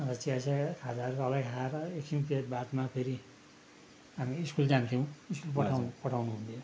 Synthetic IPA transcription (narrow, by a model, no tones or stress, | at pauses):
rʌt͡siasakʰad͡zarkoʌlaɡɦaɾʌeksinpiebad̪mapʰeɾi | ɦamiːskuld͡zant̪ʰew̃iskulpʌapʌʈʰawnuɦũnt̪ʰjo